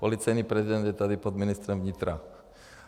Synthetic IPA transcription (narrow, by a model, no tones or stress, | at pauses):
pɔlit͡sajniːpɾɛzid̪ɛnd̪jɛt̪ad̪ipɔd̪minist̪ɾɔmvɲit̪ɾa